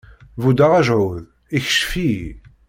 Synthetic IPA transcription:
vud̪aʁæʒʕʊð | içə̥ʃfi

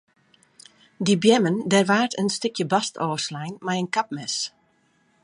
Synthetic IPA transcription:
dibjɛməndɛrʋaːrtənstɪkʰjəbɑstɔːslɛjnmɛjənkap̚mɛs

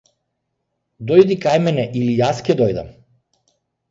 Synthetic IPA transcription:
d̪ɔjd̪ikajmɛnɛʔilijascʲɛd̪ɔjd̪a̰m

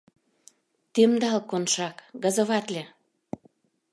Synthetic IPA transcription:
t̪emd̪ɑlkonʃɑkɡə̆zə̆βɑt̪lʲe

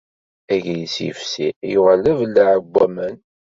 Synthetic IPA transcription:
æʝjisjə̰fsḭjʊʁləvlːəʕəɡʷːæmən

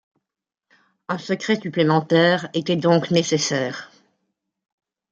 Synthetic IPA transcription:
ɛ̃səkχɛsyplemɑ̃t̪ɛːʁet̪ɛd̪ɔ̃knesesɛːʁ

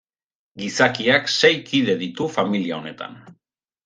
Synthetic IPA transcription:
ɡisakiakse̞jkiðe̞ðit̪ufamiliao̞ne̞t̪a̰n

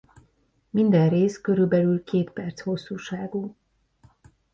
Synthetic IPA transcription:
mind̪ɛnreːskø̞ɾylbɛlylkeːt̪pɛrt̪sho̞sːuːʃaːɡuː

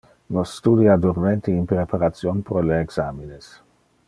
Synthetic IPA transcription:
nɔsːt̪ud̪iad̪uɾment̪iinpɾepaɾat̪sjonpɾoleːɡsamines

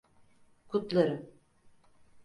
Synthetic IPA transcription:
kʰut̪lˠaɾɯm

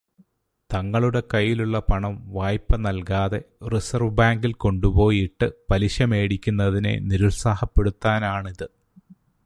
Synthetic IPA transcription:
t̪ɐŋːɐɭuɽe̞kɐjːiluɭːɐpɐɳɐmʋaːjpːɐnɐlkaːðe̞risɐrʋɨbaːŋɡilko̞ɳɖupo̞ːjiʈːɨpɐliɕɐme̞ːɽikʲːunːɐðine̞̰niɾulsaːhɐpːe̞ɽut̪ːaːnaːɳiðɨ

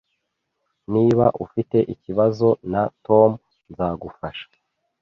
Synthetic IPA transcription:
niːβa̰ʔufite̞ʔiciβazo̞nato̞m | nzaːɡufaʃḁ

